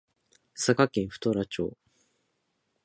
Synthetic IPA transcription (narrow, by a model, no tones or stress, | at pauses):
sakakẽɰ̃ɸɯ̟̥t̪oɾat͡ɕo̞̰ː